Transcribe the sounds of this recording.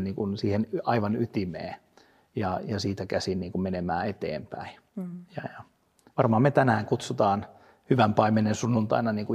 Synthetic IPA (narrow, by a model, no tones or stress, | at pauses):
niːŋkunsiːhenɑiʋɑnyt̪imḛː | jɑjɑsiːt̪ækæsinniːŋkummenemæːet̪ḛːmpæi | jɑjɑ | ʋɑrmɑhɑmet̪ænæːŋkut̪sut̪ɑːn | hyʋæmpɑimenensunːunt̪ɑ̰inɑniːŋku